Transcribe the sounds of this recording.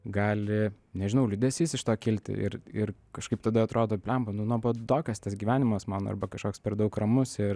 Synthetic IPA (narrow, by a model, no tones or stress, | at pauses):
ɡɑːlʲɪ | nʲɛʒʲɪnɐʊlʲyd̪ʲeːsʋʲiːsʲɪʃt̪oːkʲɪlʲt̪ʲɪ̰ʔɪ̰ɾɪrkɐʃkɐɪp̚t̪ɐd̪ɐɐt̪ɾoːd̪oːpʲlʲɛmpɐnʊnuɔbod̪oːkʲɛst̪ɐsɡʲiːʋʲæːnʲɪmɐsmɑːnːɐ̰rbɐkɐʃkoːkspʲɛrd̪ɐʊkrɐmʊsɪr